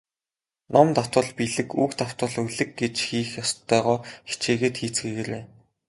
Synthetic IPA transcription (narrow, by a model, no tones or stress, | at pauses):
nɔmt̪aw̥t̪wə̆ɮpiɮɘ̆kuːkt̪aw̥t̪wə̆ɮuɮɘ̆kɡet͡ɕxiːxjɔst̪ːœːʁɔːxi̥t͡ɕeːɣeːt̪xiːt͡sɡeːɣeɾeː